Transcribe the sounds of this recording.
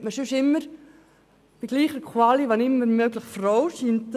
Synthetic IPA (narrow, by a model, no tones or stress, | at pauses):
məʃøʃɪmːəɾ | b̥iɡ̥liːχəɾkʰwɑliʋɑnɪmːəɾmøɡləχfrɔwʃiːnt